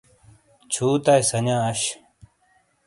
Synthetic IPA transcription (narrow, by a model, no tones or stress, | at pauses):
t͡ɕʰuːt̪ajsɐɲãːɐɕ